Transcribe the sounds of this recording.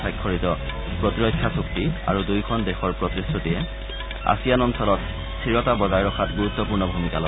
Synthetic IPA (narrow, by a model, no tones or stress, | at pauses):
ajkʰːɔɹitɔ | pɹɔtiɹɔkʰːjasuk̚tia̰ɹudujkʰɔndexɔɹpɹɔtisutiɛ | a̰sijanɔnsɔlɔt | stʰiɹɔtabɔzajɹɔxʰatɡuɹut̪ːɔpuɹnɔbʱumikalɔ